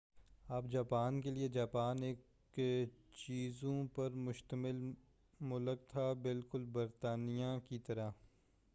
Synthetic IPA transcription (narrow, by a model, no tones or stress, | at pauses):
aːp̚d͡ʒaːpaːnkelied͡ʒaːpaːneːk | t͡ʃiːzõpɐɾmʊʃt̪əmɪl | mʊlək̚t̪ʰabɪlkʊlbɐɾt̪aːnijãkit̪ɐɾa